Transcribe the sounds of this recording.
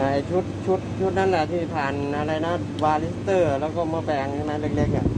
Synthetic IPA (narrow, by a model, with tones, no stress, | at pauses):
ʔa˨˩jt͡ɕʰu˦˥t̪̚t͡ɕʰu˦˥t̪̚t͡ɕʰu˦˥t̪̚na˦˥nlɛ˨t̪ʰiː˧˩p̪ʰaː˨˩nʔa˧ɾa˧jna˦˥ | waː˧li˦˥st̪ɤː˧˩lɛː˦˥wkɔː˧˩mɔː˧bɛː˨˩ŋhʰa˧˩jma˧˥le˧˩k̚le˧˩k̚ːa˧˩